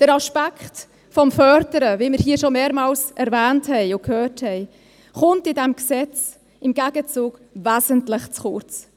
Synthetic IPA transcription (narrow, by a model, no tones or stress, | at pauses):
d̥əɾɑʃpækχt | fɔmfœɾdəɾəviːməɾhiːʃomeːɾmɑːlsʔɛɾvɛːnthɛɪʊkʰhøːthɛɪ | χʊmtɪdɛmksɛt͡s | ɪmɡæɡət͡suːɡ̥væːzəntlɪχt͡sχʊt͡s